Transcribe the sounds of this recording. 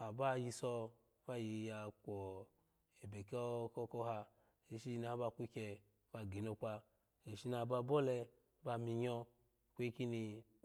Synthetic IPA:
a˨ba˦ji˧sɔ˧˦ | fa˦˨ji˧ja˧kʷɔ˨ | e˨be˨kɔ˦kɔ˦kɔ˦ɦa˧ | e˧ʃi˦˧na˨˦ba˧˨kʷu˦kʲɛ˧ | b̥a˧ɡe˨no˧k͡pʷa˧ | e˨ʃi˧na˧˨ba˧bɔ˦lɛ˧˦ | ba˧mi˧ɲɔ˧˨ | kʷe˦ki˦ni˧

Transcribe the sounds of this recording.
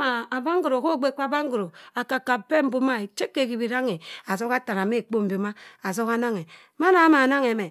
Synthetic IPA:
ma˨a˨ba˦ŋ˦ɡu˨ɾo˨ko˦˨ɡ͡be˦k͡pa˦ba˦ŋ˦ɡu˨ɾo˨a˨ka˨ka˨pe˦m̩˦bu˦ma˦e˨t͡ʃe˦kːe˨ki˨bi˨ɾa˦ŋe˨a˨zo˦ka˦ta˨ɾa˨me˦˨k͡po˦m̩˨bo˨ma˦a˨zo˦ka˦na˦ŋe˨ | ma˦na˨˦ma˨na˦ŋe˨me˨

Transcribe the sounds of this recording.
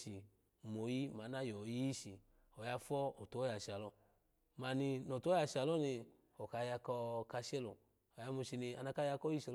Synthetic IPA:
i˨ | mo˨˦ji˦ma˨˦na˦jɔ˨˦ji˦ʃi˨ | ɔ˨ja˧˦fɔ˦o˨to˨˦ja˨ʃi˨a˨lɔ˧ | ma˨ni˧nɔ˨to˦ja˧˨ʃi˧˨a˨lɔ˦ni˧ | ɔ˨ka˨˦ja˧kɔ˧ka˧ʃɛ˦lo˨ | ɔ˨ja˨˦mu˧ʃi˧ni˧a˨˧na˧ka˦ja˧kɔ˦i˦ʃɛ˧˨˧

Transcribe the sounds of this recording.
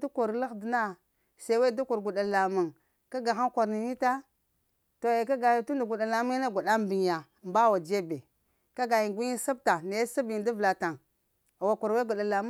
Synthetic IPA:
du˦ku˨ɾla˦xdi˨˦na˦ | sa˨˦we˦du˦ku˨ɾɡu˨ɗa˨la˨mu˨ŋ | ka˦ɡa˨xa˦ŋkʷa˨ɾni˨ni˦ta˦ | to˨je˨ka˦ɡa˨ji˨tu˦ndu˨ɡu˨ɗa˨la˨mu˦na˦ɡu˨ɗa˦mbi˨ŋ˨ja˨mba˦wa˨d͡ʒe˦be˨ | ka˦ɡa˨ji˨ŋɡʷu˦ɲi˦sa˦b̚ta˨ne˨˦sa˦bi˨ndi˦vla˨ta˨ŋ˨ | wa˨ku˨ɾwe˦ɡu˨ɗa˨la˨m˦

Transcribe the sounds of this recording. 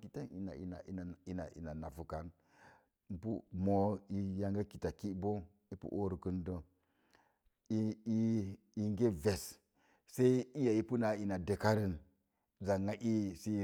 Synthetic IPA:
ki˨ta˦ni˨na̰˨ḭ˨na̰˨ḭ˨na˨i˨na˨ḭ˨na˨na˨fu˨ka˨n | m̩˦pu˦mo˨i˦ja˦ŋɡa˦ki˨ta˨ki˦bo˦ | i˦pṵ˦ʔo˦ɾu˨ku˨ndə˨ | i˦i˦i˨ŋɡe˦ve˨s | sa˦i˦i˦ja˨i˦pu˦na˨i˨na˨de˨ka˦ɾi˦n | za˨ŋːa˦ʔi˦si˦

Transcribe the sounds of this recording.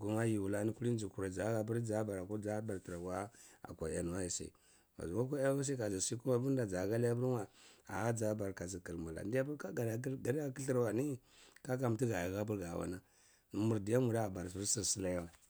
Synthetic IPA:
ɡu˨ma˦ji˨wu˨la˦ni˦ku˦li˦n˦d͡ʒi˨ku˨ɾa˨d͡za˨˦ɡa˨bu˦ɾd͡za˦ba˨ɾa˨ko˦d͡za˦ba˨ɾtɾa˨wa˦a̰˨ka˨a̰˨nu˨wa˦ji˨sa̰˨i˨ | ma̰˨zu˨wa˦ka˦a˦n˦a˦s̬a˦ka˨zi˨si˦ku˦ma˦bu˦n˦da˨a˨ɡa˦li˦ja˦bu˦ɾwa˨a̰˨a˦d͡za˦ba˨ɾka˨zi˨kə˨lmu˨la̰˨˦da˦bu˦ka˦ɡa˨˦ɡa˨ɾa˦ki˦ɬə˦ɾwa˨ni˦ | ka˦ka˨m˨ti˦ɡa˨ja˨ɡa˦bu˦ɾɡa˨wa̰˨˦na˦ | n˨mu˨ɾdi˨ja˦mu˨ɾa˦˨ba˨ɾsi˦ɾsi˦˨si˦la˦ja˦wa˨

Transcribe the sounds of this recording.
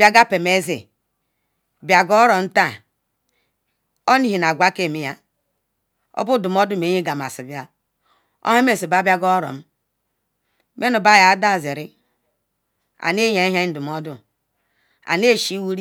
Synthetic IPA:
bja˦ɡa˦pe˨me˦zḭ˨ | bja˨ɡɔ˦ɾo˨m̩˦ta˦˨ | o˦ni˦ɦi˨na˨ɡʷa˦ke˦˨mi˦ja˦˨ | o̰˦bu˦du˨mo˦du˦˨me˨˦ɲe˦ɡa˨m˨a̰˨si˨bi˦a˦ | o̰˦he˦me˦˨si˨ba˦ba˦ɡɔ˦ɾo̰˨m̩˦ | me˦nu˨ba˦˨ja˨˦da˦˨zi˨ɾi˦ | a̰˨ne˦ja˨˦ɦa˦du˨mo˦du˦ | a̰˨ne˦˨ʃi˦wu˦ɾi˦

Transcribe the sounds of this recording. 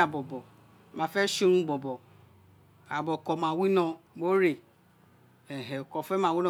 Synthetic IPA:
a˨bɔ˨bɔ˨ | ma˨fɛ˦ʃi˦ɾũ˦ɡ͡bɔ˨bɔ˨ | a˨bɔ˨kɔ˨ma˨wi˦nɔ˨bo˦ɾe˨ | e˨ɦe˨o˨kɔ˨fɛ˦ma˨wi˦nɔ˨

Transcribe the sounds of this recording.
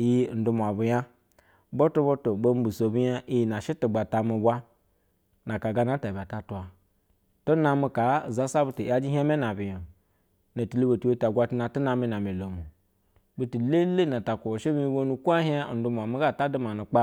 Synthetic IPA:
ji˦˨n̩˨du˦mʷ˨a˨bu˨ja˦ | bo˦tu˦bo˦to˨bo˦m˦bu˨so˨bu˦ja˦ʔi˦ji˨na˨ʃi˦tu˨ɡ͡ba˨ta˨mu˨ba˦ | na˨ka˨ɡa˦na˦ta˨bʲa˨ta˨tu˨a˨ | tu˦na˨mi˨ka˨za˦sa˦bu˦ti˨˦a˦d͡ʒi˦ɦi˦a˦me˦na˨bi˨jo˨ | na˨ti˨li˦bo˨tu˦we˦ta˨ɡʷa˦ti˦na˨tu˦na˨mi˦na˨me˨lo˨mu˨ | bu˦ti˨le˦le˦na˨ta˨kʷu˨o˨ʃi˦bi˦i˦bo˦nu˨kʷa˦ɦa˦˨n̩˦du˨˦m˨a˨mi˦ɡa˦˨ta˦du˦ma˨nu˨k͡pa˦

